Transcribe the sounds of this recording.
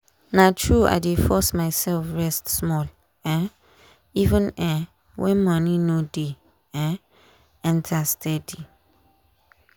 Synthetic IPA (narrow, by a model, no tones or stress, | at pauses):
natʰɹua̰jdefɔsmajsɛlfɹɛstsmɔl | ɛ̃ | ivə̃nɛ̃ | wʔɛ̃nmʌninode | ɛ̃ | ɛ̃ntʰastʰɛdi